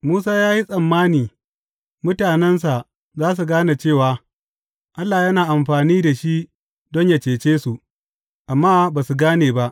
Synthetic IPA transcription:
muː˦s̬aː˦jaː˦ji˦sʼɐ˨mːaː˦niː˨ | mʊ˦taː˨nɛ˦ns̬a˨ | zaː˦s̬u˨ɡaː˦na˨t͡ʃeː˦˨waː˨ | ʔa˦lːaː˨jɐ˦naː˨ʔa˨mɸaː˨niː˦da˨ʃi˦ʔ | dɔ˦ɲja˨t͡ʃeː˨t͡ʃeː˦su˨ʔ | ʔa˨mːaː˦baː˨su˨ɡaː˦neː˨ba˦ʔ

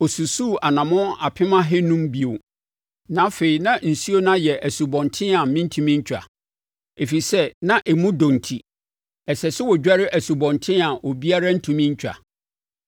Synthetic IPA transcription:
o˨su˨su˦˨a˨nã˨mʊ̃˦a˨pʰɪ̃˦mã˦ɦɛ˦nũ˦mbi˨o˨ | nã˦fe˨i˨nã˦n̩˨si˦o˦nã˦jɛ˨ʔæ˨su˨bɔ̃˨ntʰɪ̃˦ã˨mɪ̃˦n̩˦tʰũ˦mĩ˦ɲ̩˦t͡ɕʰᶣa̰˨ | e˨fi˨sɛ˦nã˦ʔɛ˨mũ˦dɔ̃˨n̩˨tʰi˨ | ɛ˨sɛ˨sɪ˦wɔ˨d͡ʑᶣa˦ɾɪ˦ʔæ˨su˨bɔ̃˨ntʰɪ̃˦a˨ʔo˨bi˦a˦ɾa˦n̩˦tʰũ˨mĩ˦ɲ˦t͡ɕʰᶣa̰˨

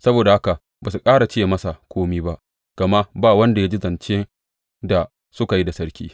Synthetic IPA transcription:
sɐ˦boː˨da˨ha˦ka˨ | baː˨su˨kʼaː˦ɽa˨t͡ʃeː˦˨mɐ˦sa˨kʷoː˦miː˦ba˦ʔ | ɡ̥ɐ˨ma˦ʔbaː˦˨wɐ˦nda˨ja˦d͡ʒi˦zɐ˨nt͡ʃe˦ | da˨ | sʊ˦ka˨ji˦da˨sɐ˦ɽkʲḭː˦

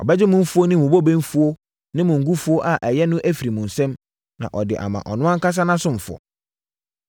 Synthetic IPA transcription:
ɔ̰˨bɛ˦d͡ʑɪ˦mʊ̃˦m̩˦fu˦o˦nɪ̃˦mũ˨bo˦˨bẽ˦m˦fu˦o˦ | nɪ̃˦mʊ̃˨ŋ̩˨ɡu˦fu˦o˦ʔa˨ʔæ˨jɛ˦nʊ̃˦ʔæ˦fi˨ɾi˨mũ˨n̩˨sɛ̃˦m | nã̰˨ʔɔ˨dɪ̰˨ʔa̰˨mã̰˨ʔɔ˨nʊ̃˦ã˦ŋ̩˦ka˦s̬a˦nã˦sʊ̃˦ɱ̩˨fʊ˨ɔ̰˨

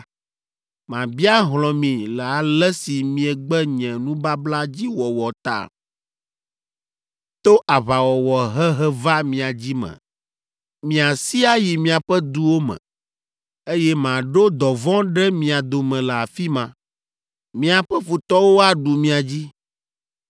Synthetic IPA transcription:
mã˨bi˦a˦ɦlɔ̃˨mĩ˨lɛ˨a˨lɛ˦si˨mĩ˨ɛ˨ɡ͡bɛ˦ɲɛ̃˨nũ˦ba˦bla˦d͡ʑi˦wɔ˨wɔ˨t̪a̰˦˨ | t̪o˦ʔa˨βa˨wɔ˨wɔ˨ɦɛ˦ɦɛ˦va˦mĩ˨a˨d͡ʑi˦mɛ̰̃˨ | mĩ˨a˨si˦a˦ji˨mĩ˨a˨ɸɛ˦d̪u˦wo˦mɛ̰̃˨ | e˦jɛ˦mã˨ɖo˦d̪ɔ˨vɔ̃˦ɖɛ˦mĩ˨a˨d̪o˨mɛ̃˨lɛ˨a˨fi˦mã˨ | mĩ˨a˨ɸɛ˦ɸu˨t̪ɔ˦wo˦a˦ɖu˨mĩ˨a˨d͡ʑi˦

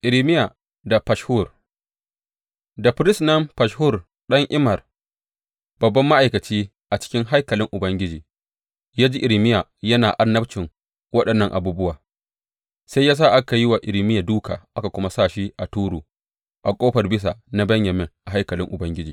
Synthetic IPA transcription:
ʔɪ˨ɾɪ˨mɪ˦ja˨ | da˨pa˨ʃhu˦˨r | da˨ɸɾɪ˦snɐ˦mpa˨ʃhʊ˦˨r | ɗɐ˦ŋʔɪ˦mɐ˨r | b̥ɐ˨bːɐ˦mːa˦ʔa˨jkɐ˨t͡ʃiː˦ | ʔa˨t͡ʃɪ̥˦kʲɪ˦ŋɦa˦jkɐ˨lɪ˦ŋʔʊ˨bɐ˦ŋɡʲɪ˦d͡ʒiː˨ | jaː˦d͡ʒi˦ʔɪ˨ɾɪ˨mɪ˦ja˨jɐ˦naː˨ʔa˦rnːɐ˦ɸt͡ʃɪ˨ŋ | wɐ˦ɗɐ˨nːɐ˦˨ŋʔa̰˨buː˦bʊ˦waː˨ | sa˦jːaː˦s̬a˦˨ʔa˦ka˨ji˦wa˨ʔɪ˨ɾɪ˨˦mɪ˦ja˨duː˦kʰa̰ː˨ʔa˦ka˨kʷʊ˦ma˦saː˦˨ʃi˦ʔa˨tuː˦ɽuː˨ | ʔa˨kʷʼoː˦ɸɐ˨rbɪ˦s̬a˨na˦bɐ˦ɲjɐ˨meː˦ʔa˨ɦa˦jkɐ˨lɪ̰˦ŋʔʊ˨bɐ˦ŋɡʲɪ˦d͡ʒiː˨

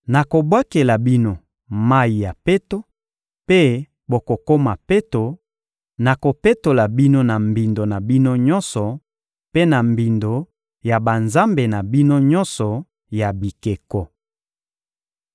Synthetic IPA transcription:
na˨ko˨bwa˦ke˨la˨bi˦no˨ | ma˦i˨ja˨pe˦to˦ | pe˦ | bo˨ko˨ko˦ma˨pe˦to˨ | na˨ko˨pe˦to˨la˨bi˦no˦na˨mbi˨ndo˨na˨bi˦no˦ɲɔ˦nsɔ˨ | pe˦na˨mbi˨ndo˨ | ja˨ba˨nza˦mbe˨na˨bi˦no˦ɲɔ˦nsɔ˨ | ja˨bi˨ke˨kɔ˦

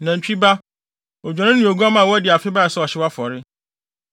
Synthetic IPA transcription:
nã˨m̩˨t͡ɕᶣi˦ba˦ | ɔ˨d͡ʑᶣɔ̃˨nʊ̃˦nɪ̃˨o˨ɡu˦a˦mã˨wɔ˦dɪ˨a˨fɪ˦ba˦a˨sɛ˦ɔ˨ɕɪ˦wa˦fɔ˨ɾɪ˦

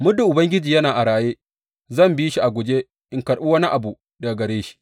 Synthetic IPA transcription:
mʊ˦du˨ʔʊ˨bɐ˦ŋɡʲɪ˦d͡ʒiː˨jɐ˦naː˨ʔa˨ɾaː˨jeː˦ | zɐ˦˨mbiː˦ʃi˦ʔa˨ɡʷʊ˨d͡ʒe˦ | ʔɪ˨ŋkɐ˨ɽɓu˦wɐ˦ni˦ʔa˨bu˨ | da˨ɡɐ˨ɾeː˦ʃi̥˦

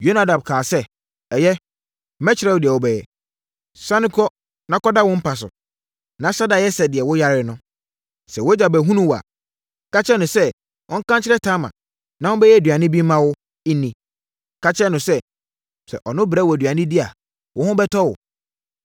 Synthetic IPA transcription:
jo˦na˦dã˨m˨kʰãː˨sɛ˦ | ɛ˨jɛ˦ | mɛ̃˦t͡ɕʰɪ˦ɾɛ˦wʊ˨dɪ˨ɛ˨wɔ˨bɛ˨jɛ˨ | sa˦nɪ̃˦kʰɔ˦ | nã˦kɔ˦da˦wɔ̃˦m̩˦pʰa˨s̬ʊ̰˨ | nã˨˦sa˦da˨jɛ˦sɛ˨dɪ˨ɛ˨wʊ˦ja˦ɾɪ˦nʊ̃˦ | sɛ˨wʊ˦d͡ʑa˨bɛ˨ɦũ˦nũ˦wa̰˨ | ka˦t͡ɕɪ˦ɾɛ˦nʊ̃˨sɛ˦ | ʔɔ̃˦ŋ̩˦kã˦ɲt͡ɕʰɪ˦ɾɛ˦tʰã˦mã̰˨ | nã˦wʊ̃˦bɛ˦jɛ˦˨dɥa˨nɪ̃˦bi˦mã˦wʊ˦ | nĩ˨ | kʰa˦t͡ɕʰɪ˦ɛ˦nʊ̃˨sɛ˦ | sɛ̰˨ʔɔ˨nʊ̃˦bɾa˦wɔ˨æ˨dɥa˨nɪ̃˦di˦a˨ | wʔʊ̃˦hʊ̃˦bɛ˦tʰɔ˦wʊ̰˨

